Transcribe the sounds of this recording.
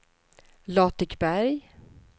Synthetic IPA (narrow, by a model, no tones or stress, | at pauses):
lɑːt̪ɪkbæɾj